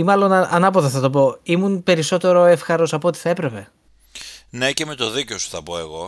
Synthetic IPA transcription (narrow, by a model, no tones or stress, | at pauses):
imɐlo̞nɐnɐpoðɐθɐt̪o̞p̬o̞imunpe̞ɾiso̞t̪e̞ɾo̞e̞fxɐɾo̞sɐpot̪i̥θɐe̞pɾe̞pe̞ | ne̞ce̞me̞t̪o̞ðiceosu̥θɐpo̞e̞ɣo̞̰